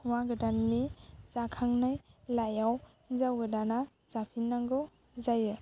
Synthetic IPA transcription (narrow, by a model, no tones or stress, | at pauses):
maɡɯdanːizakʰaŋnajlajawhizawɡɯdana | z̥apʰinːaŋɡɯ | zajɯ